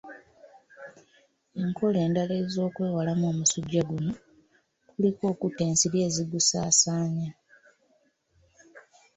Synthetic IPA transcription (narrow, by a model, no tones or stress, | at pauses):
eŋkʰo̞le̞ːndale̞zo̞ːkwe̞ːwalamo̞ːmusuɟːaɡuno | kuliko̞ːkutːe̞ːnsiɾje̞ːziɡusaːsaːɲa